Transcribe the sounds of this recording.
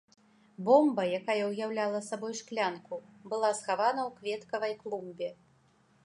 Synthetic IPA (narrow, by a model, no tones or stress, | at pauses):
bɔmbɐjakajɐwjawlʲalˠɐsabɔjʂklʲankubɨlˠasxavanɐwkvʲɛt̪kɐvɐjklˠumbʲɛ